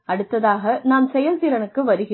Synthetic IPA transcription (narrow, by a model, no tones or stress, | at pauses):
ɐɽɯt̪ːɐðaːɣɐnaːmsɛjɐlt̪iɾɐnɯkːɯʋɐɾɯɣɪ